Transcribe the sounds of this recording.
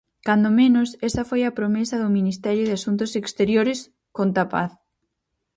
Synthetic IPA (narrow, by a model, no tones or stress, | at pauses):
kand̪omẽnʊsɛsɐfojɐpɾomesɐðʊminist̪ɛɾjʊð̞ɪasunt̪̬ʊsekst̪eɾjoɾɪs | kont̪apa̰θ